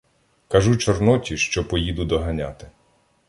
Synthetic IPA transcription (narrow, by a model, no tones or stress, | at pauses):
kɐʒut͡ʃɔrnɔtʲiʃt͡ʃɔpɔjid̪ʊd̪ɔɦɐnʲat̪ɪ